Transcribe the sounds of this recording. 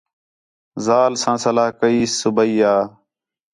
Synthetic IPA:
zaːlsãːsəlaːɦkəiːsːʊbəiːaː

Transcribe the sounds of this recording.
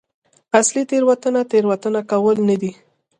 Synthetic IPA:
aslit̪eɾwat̪ənat̪eɾwat̪ənakawəlnad̪i

